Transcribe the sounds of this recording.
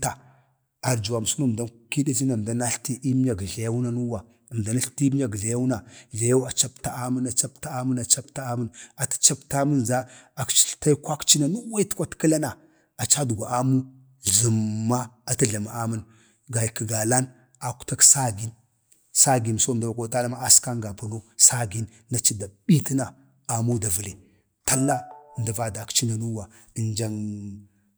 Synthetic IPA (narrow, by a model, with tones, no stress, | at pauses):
ta˨ | a˨ɾd͡ʒu˨a˨m˨su˦na˦˨da˦nki˦da˦zi˦na˨m˨da˦na˦ɬti˦ʔi˦m˦ja˨ɡɮa˨ja˦wna˦nu˦wa˨ | m˨da˨na˦ɬti˦m˦ja˨ɡɮa˨ja˦wna˨ɮa˨ja˦wa˨t͡ʃa˦pta˦a˦mə˦na˨t͡ʃa˦p̚ta˦a˦mə˦na˨t͡ʃa˦pta˦a˦mə˦na˨tḁ˦t͡ʃa˦pta˦mə˦nza˦a˨kt͡ʃi̥˨ɬta˦jkʷa˦kt͡ʃi˦na˨nu˦wa˦i˦tkʷa˦tki˦la˦na˨ | a˨t͡ʃa˦du˨ɡʷa˨ʔa˦mu˦ | zu˨mːa˦a˨ta˦ɮa˨ma˨a˦mə˦n | ɡa˨jkə˨ɡa˨la˦n | a˨ku̥˨ta˦ksa˦ɡi˦n | sa˦ɡi˨n˨so˦˨n˨da˨va˨kʷo˦ta˦la˦ma˦a˦ska˦ŋɡa˨pu˨no˦sa˦ɡi˦nːa˨t͡ʃi˦da˨ɓi˦ti˦na˨ | a˨mu˦da˨və˨le˨ | ta˦lːa˦˨nda˨va˦˨da˨kt͡ʃi˦na˨nu˦wa˨ | i˨nd͡ʒa˨ŋ